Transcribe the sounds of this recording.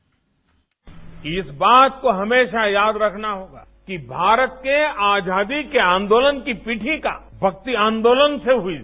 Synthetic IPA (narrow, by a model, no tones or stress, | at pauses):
ɪsbaːt̪koɦɐmeːʃajaːd̪ɾɐkʰnaɦoːɡa̰ːkibʱaːɾət̪̚keaːd͡ʒaːd̪ikeãːnd̪oːlənkipiːʈʰika̰ | bʱɐk̚t̪iãːnd̪oːlənseɦʊi